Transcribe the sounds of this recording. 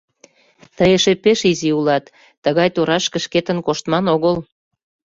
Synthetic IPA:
t̪əjeʃepeʃiziulɑt̪ː | əɣɑjt̪oɾɑʃkə̆ʃket̪ə̆nkoʃt̪mɑnoɣəl

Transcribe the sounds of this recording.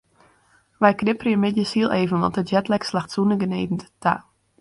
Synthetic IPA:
ʋɛjkrɪpərjəmɪtjəsilˠʔeːvənʋɔ̰ntətjɛtlɛkslaxtsunəɡənejvən̩ttʰa̰

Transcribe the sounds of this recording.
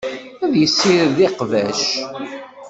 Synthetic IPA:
æðjəsːiɾðiqvæʃ

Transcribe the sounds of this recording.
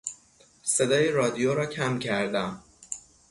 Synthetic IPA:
sed̪ɒːjeɾɒːd̪ijoɾɒːcʰæmcʰæɾd̪æm

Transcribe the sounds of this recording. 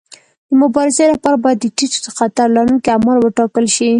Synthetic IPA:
d̪̥əmʊbɑɾɪzelapɑɾabɑjad̪ːəʈit͡so̥d̪əxat̪aɾlaɾuŋkiamalwəʈɑkəlʃi

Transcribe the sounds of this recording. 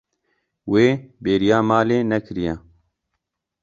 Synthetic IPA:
weːbeːɾijaːmaːleːnɛkʰɾijɛ

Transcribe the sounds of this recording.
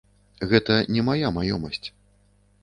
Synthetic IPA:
ɣɛt̪ɐnʲɛmajamajɔmɐsʲt͡sʲ

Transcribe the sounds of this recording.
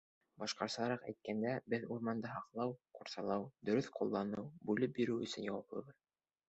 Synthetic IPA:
bɑʃqɑɾsɑɑɾɑqæ̰jt̪̚kænd̪æbɘðuɾmɑnd̪ɤɦɑqlˠɑwquɾsɑlˠɑwd̪ɵ̆ɾɵθqulˠːɑnɤwbʉlɘp̚biɾɘwɵ̆sɵ̆njɑwɑplˠɤ̰βɤð

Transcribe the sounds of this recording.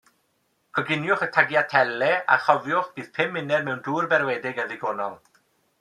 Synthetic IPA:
kʰɔɡɪnjʊχətʰaɡjatʰɛlˠɛa̰χɔvjʊχb̥iːðpʰɪmːɪnɛrmɛwnduːrbɛrwɛdɪɡəðɪɡɔːnɔlˠ

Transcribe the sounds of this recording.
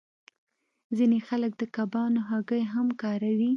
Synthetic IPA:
zinexalək̚d̪əkabɑnoɦaɡəjɦamkɑɾawi

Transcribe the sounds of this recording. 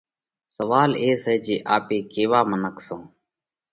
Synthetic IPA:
səʋaːleːsɛːd͡ʒeːʔaːpeːkeːʋaːmənəksõː

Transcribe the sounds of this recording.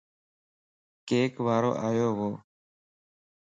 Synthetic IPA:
keːkʋaːɾo̰ːʔaːjoːʋoː

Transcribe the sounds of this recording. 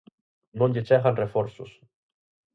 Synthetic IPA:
nõnɟet͡ʃaɣanrefoɾsṵs

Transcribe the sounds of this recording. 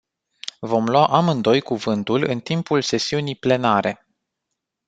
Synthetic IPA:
vo̞mlwaʔamɨnd̪o̞jkuvɨnt̪ulɨ̰nt̪impulse̞siunijple̞naɾe̞

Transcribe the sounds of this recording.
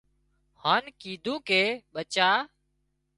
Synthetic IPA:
haːnkiːd̪ʱũːkeːɓət͡ʃaː

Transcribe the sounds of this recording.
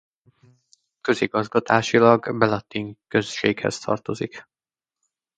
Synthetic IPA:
kø̞ziɡɒzɡɒt̪aːʃilɒɡbɛlɒt̪iŋkø̞sʃeːɡhɛ̰st̪ʰɒ̰rt̪o̞zik

